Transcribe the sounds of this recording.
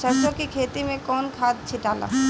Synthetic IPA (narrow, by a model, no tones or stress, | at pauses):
ʃəɾʃõkikʰeːt̪imẽkɔːnkʰaːd̪̚t͡ʃʰɪʈaːla̰